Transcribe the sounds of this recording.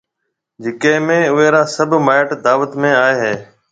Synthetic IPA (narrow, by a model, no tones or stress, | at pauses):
d͡ʒɪkẽːmẽːʊɦeːɾaːsəbʱmaːɪʈd̪aːʋət̪mẽːaːeːɦeː